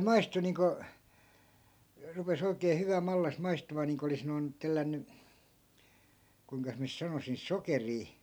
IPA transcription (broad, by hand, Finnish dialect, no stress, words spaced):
mɑistu niːŋko rupes oikeː hyʋæ mɑlːɑs mɑistumɑː niːŋko olis noi̯n telːænːy kuiŋkɑs miæ nys sɑnosin sokeriː